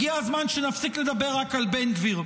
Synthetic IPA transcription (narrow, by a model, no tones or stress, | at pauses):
ɡiazmanʃenafsikle̞d̪abe̞ʁːakalbenɡviʁ